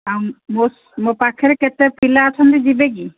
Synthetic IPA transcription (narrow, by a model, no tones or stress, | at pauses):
amos | mopakʰɛɾɛkɛt̪ɛpilaɔt͡ʃʰɔnd̪id͡ʒibeɡi